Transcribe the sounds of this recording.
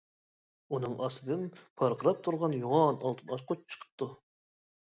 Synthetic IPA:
unɨŋʔɑsɨd̪ɨnpʰɑɾqʰəɾɑp̚t̪ʰuɾʁɑnjuʁɑnɑlˠt̪ʰɨnɑʃqʰot͡ʃt͡ʃʰə̥qʰə̥p̚t̪ːu

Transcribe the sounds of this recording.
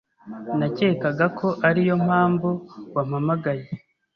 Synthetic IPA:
naceːkaɡakʰo̞ʔaɾijo̞m̥haːmbuwamamaɡaje

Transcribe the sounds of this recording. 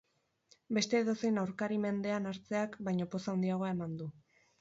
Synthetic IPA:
be̞st̪e̞ːðo̞se̞jnawɾkaɾime̞nd̪e̞anaɾt͡se̞akbajɲo̞po̞sawnd̪iaɣo̞ae̞mand̪u

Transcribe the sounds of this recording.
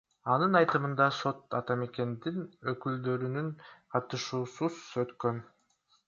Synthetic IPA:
ɑnɯnɑjt̪ɯmɯnd̪ɑso̞t̪ɑt̪ɑme̞ke̞nd̪inøkyld̪ø̞ɾynynqʰɑɾt̪ɯʃuːsuzøt̪kø̞n

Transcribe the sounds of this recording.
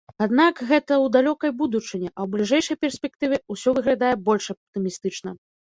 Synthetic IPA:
ad̪nakɣɛt̪ɐwd̪alʲɔkɐjbud̪ut͡ʂɨnʲɛʔɐwblʲiʐɛjʂɐjpʲɛrsʲpʲɛk̚t̪ɨvʲɛusʲɔvɨɣlʲad̪ajɛbɔlʲʂɐp̚t̪ɨmʲist̪ɨt͡ʂnɐ

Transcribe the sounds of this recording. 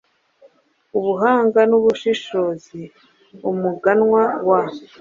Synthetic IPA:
uβuɦaːŋɡanuβuʃiʃozi | umuɡanŋwawaːβo

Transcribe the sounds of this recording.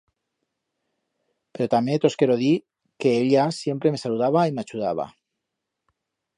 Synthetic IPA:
pe̞ɾot̪amet̪o̞ske̞ɾoði | ke̞eʎasje̞mpɾe̞me̞saluðaβaimeat͡ʃuðaβ̞a̰

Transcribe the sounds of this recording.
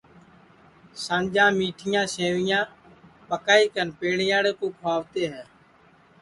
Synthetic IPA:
sãːnd͡ʒãːmiːʈʰɪjãːsẽːʋɪjãːpəkaːiːkənpeːɳɪjaːɽeːkõːpʰaːʋt̪eːɦɛː

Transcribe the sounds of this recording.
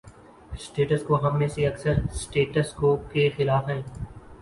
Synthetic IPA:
sʈeːʈəskoɦɐmːẽseɐksəɾsʈeːʈəskoːkexɪlaːfɦɛ̃ː

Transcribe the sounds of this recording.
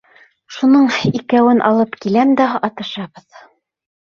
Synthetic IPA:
ʃunɤɴikæwɘnʔɑ̰lˠɤpkilæmd̪æɑt̪ɤ̆ʃɑβɤð

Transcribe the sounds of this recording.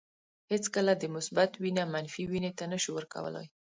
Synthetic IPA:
het͡skəlad̪əmʊsbat̪winamanfiwinet̪anəʃuwəɾka̰wə̰la̰j

